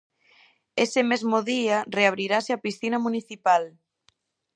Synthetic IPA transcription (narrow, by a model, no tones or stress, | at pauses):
esɪmezmoðiareaβ̞ɾiɾaseapisθinɐmuniθipal